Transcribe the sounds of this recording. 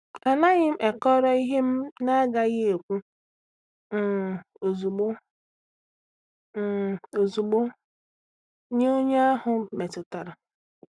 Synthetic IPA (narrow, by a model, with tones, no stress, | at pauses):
a˨na˦ɣɪ˦m̩˦ʔe˨kɔ˦ɾɔ˦i˦ɦe˦m̩˦na˦ɡa˦ɣɪ˦e˨kʷu˦˨ | o˨zu˨ɡ͡bo˦˨ | o˨zu˨ɡ͡bo˦ | ɲe˦o˦ɲe˦a˦ɦʊ˨me˨tʊ˨ta˨ɾa˨